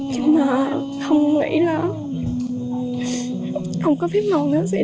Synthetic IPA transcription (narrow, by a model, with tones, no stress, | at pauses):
maː˨˩ | xə˧wŋ͡mŋə̰˧˥jlaː˨˩ | xə˧wŋ͡mkɔ˨˦fʰi˦˥p̚naː˨˩wnɨ̰˧˥əsɛ̰˧˥